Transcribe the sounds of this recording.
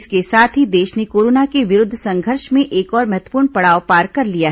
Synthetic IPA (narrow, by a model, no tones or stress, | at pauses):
skesaːt̪ʰɦid̪eːʃnekoːɾoːnakeʋɪɾʊd̪ʱːsɐ̃ŋɡʱəɾʃmẽʔeːkɔːɾmɐɦɛt̪wə̥puːɾɳpɐɽaːʋpaːɾkɐɾlijaɦ